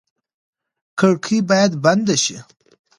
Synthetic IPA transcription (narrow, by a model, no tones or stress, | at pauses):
kəɽkʰibɑjad̪band̪aʃi